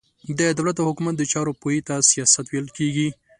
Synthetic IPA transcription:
d̪əd̪awlat̪dəhʊkumat̪̚d̪ət͡ʃɑɾopojit̪asijɑsat̪wejləlkeɡi

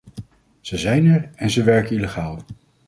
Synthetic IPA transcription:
z̥əzɛjnɛɹɛnzəʋɛɹkəniləχaːlˠ

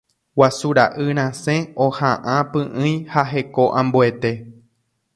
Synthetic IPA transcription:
wasuɾaʔɨɾ̃ãsẽohãʔãpɨ̃ʔɨ̃j̃haɦe̞ko̞ʔãmbue̞t̪e̞

